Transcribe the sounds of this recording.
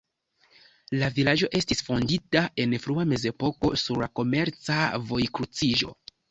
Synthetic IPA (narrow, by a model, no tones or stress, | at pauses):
lavilaʒo̞ʔe̞stisfo̞nditaʔe̞nfɾuame̞ze̞po̞ko̞suɾlako̞me̞ɾt͡savo̞jkɾut͡siʒo̞̰